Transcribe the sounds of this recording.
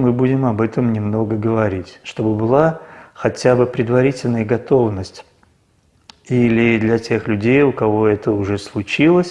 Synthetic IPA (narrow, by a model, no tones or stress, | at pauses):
mɨbudʲɪmɐbɛt̪əmnʲɪmno̞ɡəɡəvɐɾʲitʲʂt̪o̞bɨbɨlˠaxɐtʲabɨpɾʲɪd̪vɐɾʲitʲɪlʲnəjəɡɐt̪o̞vnəsʲtʲ | ilʲɪd̪lʲɐtʲe̞xlʲʉdʲejʊkɐvo̞ɛt̪əʊʐɛslˠʊt͡ɕilˠəsʲ